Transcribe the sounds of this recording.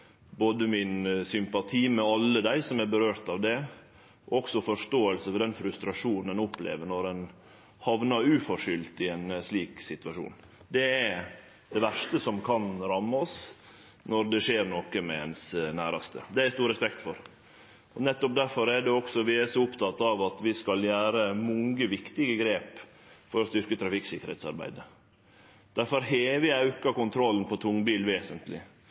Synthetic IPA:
boːd̪əmɪnsʏmpɑt̪ʰiːmɛɑlːəd̪æɪsɔmæɾbəɾøːɾt̪ɑʋd̪ɛ | ɔɔɡsɔfɔʂt̪oːəlsəfɔɖ̪ɛnfɾʉst̪ɾɑʂuːnn̩ɛnɔpːlḛːʋəɾɳɔɾɛn | hɑʋnɑɾʉːfɔʂʏlt̪ɪɛnsliːksɪt̪ʋɑʂṵːn | d̪ɛæ | d̪ɛʋæʂtəsɔmkʰɑnɾɑmːɑɔs | nɔɾd̪ɛʂeːɾnokəmɛɛnsnæːɾɑst̪ə̰d̪ɛææɾst̪uːɾɛspɛkt̪fɔɾ | ɔnɛt̪ːɔp̚d̪æɾfɔɾæɖɛɔksɔʋɪæsɔʊpt̪ʰɑt̪ːɑʋɑt̪ʋɪskɑljæːɾəmʊŋɡəʋɪkt̪ɪɡəɡɾeːp | fɔɾɔst̪ʏɾkət̪ʰɾɑfɪksɪkːəɾhɛ̰ːt̪sɑ̰ɾbæ̰ɪd̪ə | d̪̥æɾfɔɾɦeːʋɪɑʉkɑkʊnt̪ʰɾɔlːn̩pʰɔt̪ʰʊŋbiːlʋeːsənt̪lɪ̰

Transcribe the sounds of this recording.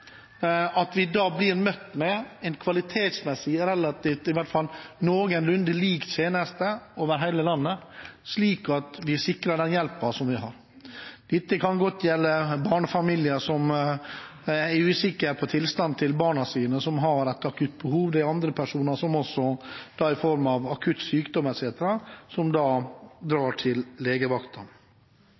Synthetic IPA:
ɑt̪ʋɪd̪ɑːblɪɾmœt̪ːmɛɛnkʰʋɑlɪt̪ʰeːt̪smɛsɪɾɛlːɑt̪ɪːft̪ɪʋæʈ̪t̪fɑlnoːɡənlʉnd̪əliːk̪seːnəst̪əoːʋəɾɦæɪləlɑnːəsliːkɑt̪ʋɪsɪkɾɑɖɛnjɛlpɑsɔmʋɪɦɑɾ | d̪̥ɪt̪ːəkʰɑnɡɔt̪ʰːjɛlːəbɑːɳfɑmiːlɪəʂɔm | æɾʉːsɪkːəɾpʰɔt̪ʰɪlst̪ɑnt̪ʰɪlbɑːɳɑsiːnəsɔmɦɑɾɛt̪ɑkʰʉt̪̚ːbəhuːʋd̪æɑnd̪ɾəpʰæʂuːnɑʂɔmɔsɔd̪̥ɑːɪfɔɾmɑʋɑkʰʉt̪syːkd̪ɔmɛt̪seːt̪əɾɑsɔmd̪ɑːd̪ɾɑːʈʰɪlleːɡəʋɑkt̪ɑn

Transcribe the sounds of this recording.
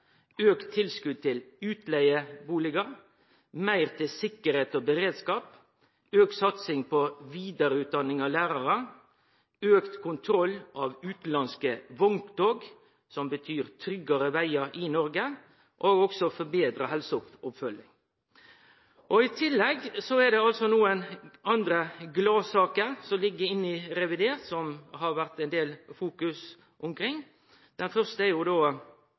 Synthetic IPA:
øːkt̪ʰːɪlskʉːd̪̚t̪ʰɪlʉːt̪ʰlæɪəbuːlɪɡɑ | mæɪʁt̪ʰɪsɪkːəɾheːt̪oːbəɾeːd̪skɑːp | øːkt̪sɑt̪sɪŋpʰɔʋiːd̪əɾʉt̪̚d̪ɑnɪŋɑlæːɾɑʁə | øːkt̪kʰʊnt̪ʰɾɔlʔɑʋʉːt̪lɑnskəʋɔŋt̪d̪oːɡ | sɔmbət̪ʰyːʁt̪ʰɾʏɡɑɾəʋæɪɑɾinɔɾɡə | ʔoːɡɔksɔfɔbeːd̪ɾəɦɛlsəʊpʊpfœlːɪŋ | ʔɔɪt̪ʰɪlːɛɡsɔɛd̪ɛɑlsɔnuːənɑnd̪ɾəɡlɑːsɑːkəsɔmlɪɡːəɪnːɪɾɛʋɪd̪eːɾt̪sɔmɦɑɾʋæʁt̪ɛɪnd̪eːlfuːkʉs | ʔʊmkʰɾɪŋː | d̪̥ɛnfœʁst̪əɛɾjʊd̪oː

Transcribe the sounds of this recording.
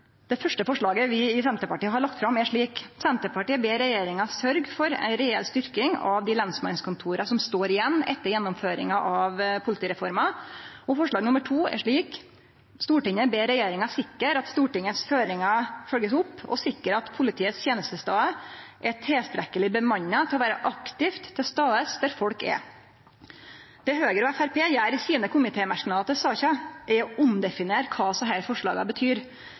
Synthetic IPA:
d̪̥ɛfœʂʈəfɔʂɭɑːɡəʋɪɪsɛnt̪əpɑʈiːəɦɑɭɑk̚t̪fɾɑmːæʂɭiːksɛnt̪əpɑʈiːəbeːɾɛjeːɾɪŋɑsœɾɡfɔɾɛ̰nɾeːɛ̰lst̪ʏɾkɪŋɑ̰ʋd̪ɪlɛnsmɑnskʊnt̪ʰuːɾɑsɔmst̪oːɾɪjɛnːɛ̰t̪ːəɾjɛnːɔmføːɾɪ̰ŋɑʔɑʋpʰʊlɪt̪ʰiːɾɛfɔɾmɑɔfɔʂɭɑːɡnʊmːəʈʰuːæ̰ʂɭiːk | st̪uːʈɪŋːəbeːɾɛjeːɾɪŋɑsɪkːəɾɑt̪st̪uːʈɪŋːəsføːɾɪŋɑfœlɡəsʊpːɔ̰sɪkːəɾɑt̪pʰʊlɪt̪ʰiːət̪st̪ʰjeːnəst̪əst̪ɑːəʔɛʈʰɛːst̪ɾɛkəlɪbəmɑɲɑt̪ʰɪlɔʋæːɾəʔɑkt̪ɪft̪ʰːɪlst̪ɑːəsd̪æɾfɔlkɛ̰ | d̪̥ɛhøːɡəɾɔæfæɾpʰeːjæɪɾɪsiːnəkʰʊmɪt̪ʰeːmæʂknɑɑt̪̚əsɑːçɑɛɔʊmd̪ɛfɪneːɾkʰɑːsɔɦæɾfɔʂɭɑ̰ːɡɑ̰bət̪ʰyːɾ

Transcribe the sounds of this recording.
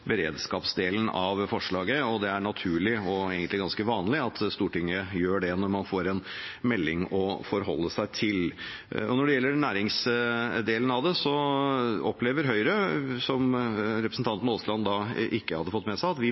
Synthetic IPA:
bəɾḛːd̪skɑːpsd̪eːln̩ɑʋfɔʂɭɑːɡəɔd̪ɛæɳɑt̪ʰʉːɭɪɔeːɡənlɪɡɑnskəʋɑːnlɪɑt̪st̪uːʈɪŋːəjøːɖɛnɔɾmɑnfoːɾɛnmɛlːɪŋɔfɔɾɦɔlːəsæɪt̪ʰɪl | ɔnɔɖɛjɛlːəɾnæːɾɪŋsd̪eːln̩ɑʋd̪ɛsɔ | ɔpleːʋəɾɦœʏɾəsɔmɾɛpɾəsn̩t̪ɑnt̪n̩ɔslɑnd̪ɑʔɪkːəhɑd̪ːəfɔt̪ːmɛsæɪɑt̪ʋɪ

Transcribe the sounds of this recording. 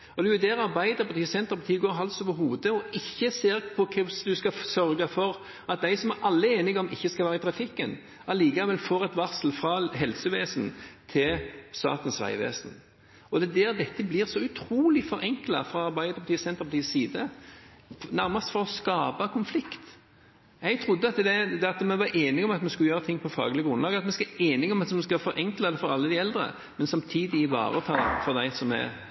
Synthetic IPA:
ɔd̪ɛjʊd̪ɛːɾɑɾbæɪd̪əɾpɑt̪iːsɛnt̪əɾpɑt̪ʰiːɡoːɾɦɑlsoːʋəɾɦuːd̪əɔɪçːəseːɾpʰɔkʰɛsd̪ʉskɑsœɾɡɑfɔɾ | ɑt̪̚d̪æɪsɔmæɾʔɑlːəeːnɪɡɔmɪçːəskɑlʋæːɾɪt̪ʰɾɑfɪkːən | ɑliːkɑʋɛlfoːɾɛt̪ʋɑʁsl̩fɾɑɦɛlsəʋeːsnt̪ʰɪlst̪ɑ̰ːt̪ən̩sʋæ̰ɪʋḛːsn | ɔd̪ɛd̪æːɾd̪ɛt̪ːəblɪʁsɔʉt̪ʰɾuːlɪfɔɾʔɛŋklɑfʁɑɑɾbæɪd̪əʁpʰɑt̪iːsɛnt̪əɾpɑt̪iːssiːd̪ə | næɾmɑst̪fɔɾɔskɑːbɑkʰʊnflɪkt̪ | jæɪt̪ʰɾʊd̪ːəɑt̪d̪ɛd̪ɑt̪mɛnʋɑɾʔeːnɪɡɔmɑt̪mɛnskʉləjøːɾət̪ʰɪŋːpʰɔfɑ̰ːɡəlɪɡəɡʁʊnlɑːɡɑt̪mɛnskeːnɪɡɔmɑt̪mɛnskɑfɔɾʔɛŋklɑd̪ɛfɔɾɑlːəd̪ɪɛld̪ɾə̰ | mɛnsɑmt̪ʰiːd̪ɪɪʋɑ̰ːʁət̪ʰɑːfɔʁd̪æɪsɔmæ̰

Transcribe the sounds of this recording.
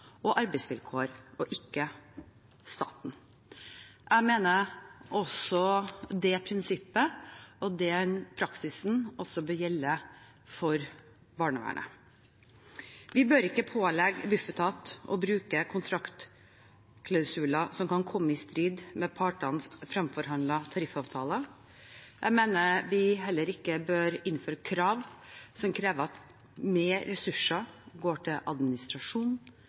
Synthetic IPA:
ɔʔɑɾbɛɪsʋɪlkʰoːəɾɔʔɪkːə | st̪ɑ̰ːt̪n̩ | ʔæmeːnəɾʔɔsɔd̪ɛpʰɾɪnsɪpːəɔd̪ɛnpʰɾɑksɪsnɔsɔbœːɾjɛlːə | fɔɾ | bɑːɳəʋæ̰ɳə̰ | ʋɪbøːɾɪkːəpʰoːlɛɡbʉfət̪ʰɑːt̪ɔ̰bɾʉːkəkʰʊnt̪ʰɾɑkt̪ | kʰlɑʉsʉːlɑsɔmkɑnkʰɔmːəɪst̪ɾiːd̪mɛpʰɑːʈɑnsfɾɑmfɔɾɦɑnd̪ɑt̪ʰɑɾɪfɑːʋt̪ʰɑːlə | jʔæmeːnəʋɪɦɛlːəɾɪkːəbøːɾɪnːføːɾəkʰɾɑːʋsɔmkʰɾeːʋəɾɑt̪ | meːɛsʉʂəɡoːʈʰɪlɑ̰d̪mɪnɪst̪ɾɑʂuːn

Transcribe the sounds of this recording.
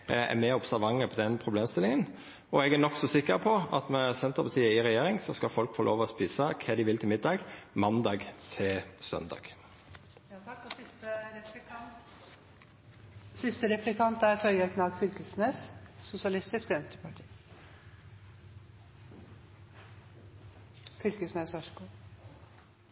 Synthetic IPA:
æ̰mɛːʊbsæʁʋɑŋːəpʰɔd̪ɛnpʰʁʊbleːmst̪ɪlɪŋən | ɔɛɡænɔksɔsɪkːəʁpʰɔɑt̪mɛsɛnt̪əʁpʰɑt̪ʰiːəɪʁɛjeːɾɪŋsɔskɑfɔlkfɔɾlʔo̰ːʋəɔspiːsəkʰɛːd̪ɪʋɪlt̪ʰɪlmɪd̪ːɑːɡmɑnd̪ɑːɡt̪ʰɪlsœ̰nd̪ɑ̰ːɡ̥ | ɛ | sɪst̪əɾɛplɪkʰɑnt̪æɾt̪ʰɔɾɡɛkʰnɑːɡfʏlkəsneːssʊsɪɑlɪst̪ɪskɡɛnst̪ɾəpɑʈʰi̥ː | fʏlkəsneːsœʂkuː

